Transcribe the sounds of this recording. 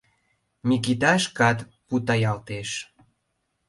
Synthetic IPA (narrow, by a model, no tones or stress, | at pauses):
mikit̪ɑʃkɑt̪put̪ɑjɑlt̪eʃ